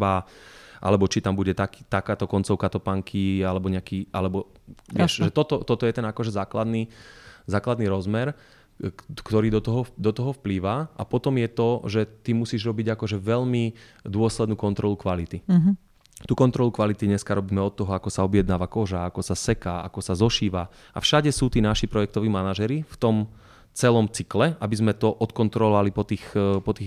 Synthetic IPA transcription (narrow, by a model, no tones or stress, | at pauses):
baʔa̰lɛbɔt͡ʃit̪ambuɟɛt̪aki̥t̪akaːt̪ɔkɔnt͡sɔʊkat̪ɔpaŋkʰialɛbɔɲɛakiːʔalɛbɔ | ʋɪɛʃʒɛt̪ɔt̪ɔt̪ɔt̪ɔjɛt̪ɛnakɔʒɛzaːklad̪niːzaːklad̪niɾɔzmɛɾ | kt̪ɔɾiːd̪ɔt̪ɔɦɔd̪ɔt̪ɔɦɔfpliːʋaʔa̰pɔt̪ɔmjɛt̪ɔʒɛt̪imusiːʒɾɔbiɟakɔʒɛʋɛʎmid̪ʊɔslɛd̪nuːkɔnt̪ɾɔlukʋalit̪i | t̪uːkɔnt̪ɾɔlukʋalit̪iɲɛskaɾɔbiːmɛɔt̪ːɔɦɔakɔsaɔbjɛd̪naːʋakɔʒaakɔsasɛkaːa̰kɔsazɔʃiːʋa | ʔa̰fʃaɟɛsuːt̪iːnaʃipɾɔjɛk̚t̪ɔʋiːmanaʒɛɾift̪ɔm | t͡sɛlɔmt͡siklɛabizmɛt̪ɔʔɔt̪kɔnt̪ɾɔlɔʋalipɔt̪iːxpɔt̪iː